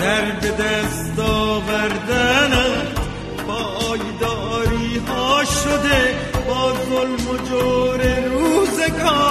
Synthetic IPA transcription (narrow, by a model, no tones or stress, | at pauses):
d̪̥aɾbed̪æst̪ɔːvaɾd̪ana | bɔːjd̪ɑːɾiːɦɑːʃod̪e | bɔːzolmod͡ʒoːɾeɾuːzeɡɔː